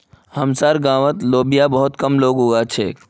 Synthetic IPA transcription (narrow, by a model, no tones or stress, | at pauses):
hɐmsaɾɡãːʋət̪loːbijabɐɦʊt̪kɐmloːɡɦoɡat͡ʃʰeː